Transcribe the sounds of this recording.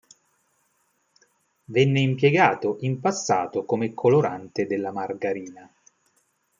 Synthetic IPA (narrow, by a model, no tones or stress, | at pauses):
vɛnːeimpjeɡaːt̪oʔimpasːa̰ːt̪okomekʰːoloɾant̪ed̪elːamarɡaɾiːna